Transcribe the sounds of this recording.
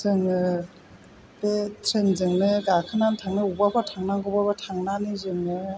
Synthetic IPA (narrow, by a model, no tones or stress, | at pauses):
zɯŋɯ | betʰɾenzɯŋnɯɡakʰɯnantʰaŋnɯubabʰatʰaŋnaŋɡɔbabatʰaŋnanɯzɯŋɯ